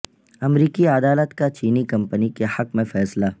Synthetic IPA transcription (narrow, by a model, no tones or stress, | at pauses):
ɐmɾiːkiad̪aːlət̪kat͡ʃiːnikɐ̃mpənikehɐkmẽfɛːsla